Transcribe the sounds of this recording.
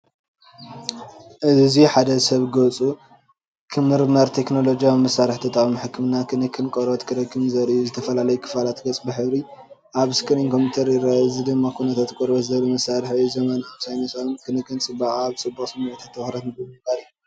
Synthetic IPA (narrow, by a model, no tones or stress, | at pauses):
ʔɨziħad̪ɐsɐβɡɐt͡sʼu | kʰɨmːɨɾmɐɾt̪ʰe̞kno̞lod͡ʒijawimɐsaɾɨħt̪ʰɐt̪ʰʼamɨħɨkʰːɨmnakʰɨnɨkʰːɨnkʼoɾot̪kʰɨɾɐkʰːɨmzɐɾuzɨt̪ʰɐfɐlalɐjukʰɨ̥falat̪ɡɐt͡sʼbɨħɨβɾi | ʔaβɨskɨɾinkʰo̞mpit̪ʰɐɾiɾaɨzid̪ɨmːakʰunɐt̪ʰat̪kʷʼoɾbɐt̪zɐlumɐsaɾɨħuzɐmɐnaβsajnɐsamkʰɨnɨkːɨnt͡sʼɨbaχʼaβt͡sʼɨbːɐkʼsɐmunɐt̪ʰat̪ːɐxɾɐt̪nɨbɨɨbalij